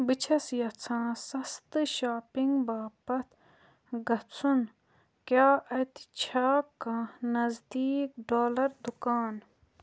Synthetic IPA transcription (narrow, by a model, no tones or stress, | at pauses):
bɨt͡ʃʰɐsjɐt͡sʰãːsɐst̪ɨʃaːpiŋɡbaːpɐt̪ʰ | ɡɐt͡sʰun | kjaːʔɐt̪i̥t͡ʃʰaːkãnɐzd̪iːkɖoːlɐɾd̪ukaːn